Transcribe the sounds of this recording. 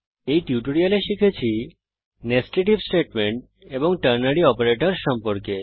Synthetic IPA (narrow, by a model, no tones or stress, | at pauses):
ejʈjuʈoɾialeʃikʰet͡ɕʰi | nesʈeʈibsʈeʈmeɳʈ̚ | eboŋʈəɾnaɽiɔpeɾeʈoɾʃɔmpoɾke